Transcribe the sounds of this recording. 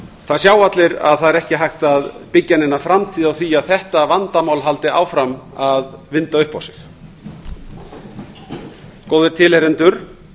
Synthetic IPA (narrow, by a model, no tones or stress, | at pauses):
θaðsjaːwat̪lɪɾa̰ðθaðɛɾɛhcɪɦajht̪aðpɪcːanɪnːafɾamt̪ʰiːðawθiaðθɛht̪avant̪amaːwlɦalt̪ɪʔa̰ːwfɾamaðvɪnt̪aʏhpawsɪ̥x | koːwðɪɾt̪ʰɪlheɾɪnt̪ʏɾ̥